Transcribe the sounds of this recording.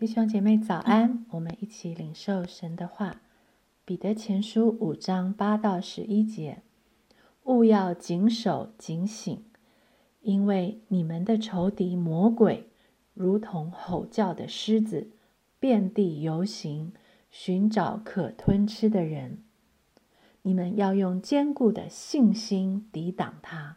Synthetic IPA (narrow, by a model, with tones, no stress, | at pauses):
t̪i˥˩ɕjo˥ŋt͡ɕjɛ˨˩me˥˩ɪt͡sɑ˨˩ʊʔa˥nwɔ˨˩mə˦ni˥˩t͡ɕʰi˨˩li˨˩ŋʂo˥˩ʊʂə˧˥nd̪ə˧xwa˥˩ | pi˨˩t̪ɤ˧˥t͡ɕʰjɛ˧˥nʂu˥u˨˩ʈ͡ʂɑ˥ŋpa˥t̪ɑ˥˩ʊʂɻ̩˧˥i˥t͡ɕjɛ˧˥ | u˥˧jɑ˥˩ʊt͡ɕi˧˥ŋʂo˨˩ʊt͡ɕi˧˥ŋɕḭ˨˩˦ŋ | i˥nwe˥˩ɪni˨˩mə˦nd̪ə˨ʈ͡ʂʰo˧˥ʊt̪i˧˥mwɔ˧˥kwe˨˩ɪ | ɻu˧˥t̪ʰʊ˧˥ŋxo˨˩ʊt͡ɕjɑ˥˩ʊd̪ə˩ʂɻ̩˥d͡z̩˨˩ | pjɛ˥˧nt̪i˥˩jo˧˥ʊɕi˧˥ŋ | ɕy˧˥nʈ͡ʂɑ˨˧˩ʊkʰɤ˨˩t̪ʰwə˥nʈ͡ʂʰɻ̩˥d̪ə˨ɻə˧˥n | ni˨˩mə˦njɑ˥˧ʊjʊ˥˩ŋt͡ɕjɛ˥nku˥˩d̪ə̰˩ɕi˥˩ŋɕi˥nt̪i˧˥t̪ɑ˨˩ŋt̪ʰa˥